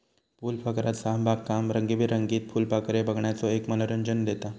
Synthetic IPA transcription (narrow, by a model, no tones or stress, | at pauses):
puːlfəkɾat̪sabʱakːamɾəŋɡebʱiːɾəŋɡiːt̪̚fuːlpakɾebəɡɳjat͡sɔekmələɾəɲd͡ʑənd̪et̪a